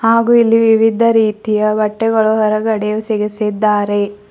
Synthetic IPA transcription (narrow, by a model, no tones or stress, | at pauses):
haːɡuːilːiʋiʋid̪ʱɐɾiːt̪ijɐʋɐʈːɛɡɐɭuɦɔɾɐɡɐɽɛjusiɡisid̪ːaːɾe̞